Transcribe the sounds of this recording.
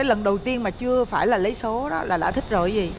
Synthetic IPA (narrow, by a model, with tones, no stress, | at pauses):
aː˨˦jlə˨˩nɗə˨˩wt̪i˧ənmaː˨˩t͡ɕɨ˧əfaː˧˩jlaː˨˩lə˨˦jso˨˦ɗɔ˨˦laː˨˩ɗa̰ː˧˩t̪ʰï˦˥k̟̚zo̰˧˩jzi˨˩